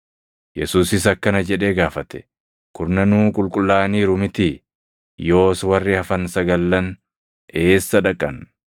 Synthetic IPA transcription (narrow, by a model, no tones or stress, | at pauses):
jɛsuːsɪs̬ɐkːɐnɐd͡ʒɛᶑe̞ːɡaːfɐt̪ɛ̥ | kʊɾnɐnuːkʼʊlkʼʊlːaːniːɾʊmɪt̪ɪ | jo̞ːswɐrːɪɐfɐnsɐɡɐlːɐn | e̞ːsːɐᶑɐkʼːɐn